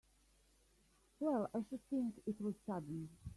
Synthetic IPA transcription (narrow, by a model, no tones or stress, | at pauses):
wɛlˠaɪʃɨd̪̚θɪ̃ŋkɪt̚wʌz̥sʌdⁿn̩